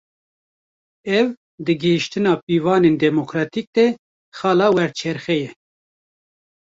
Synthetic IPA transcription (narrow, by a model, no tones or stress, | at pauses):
ɛv | d̪ɨɡɨhiʃt̪ɨnɑːpiːvɑːneːnd̪ɛmokɾɑːt̪ik̚d̪ɛ | xɑːlɑːwɛɾt͡ʃʰɛɾxɛjɛ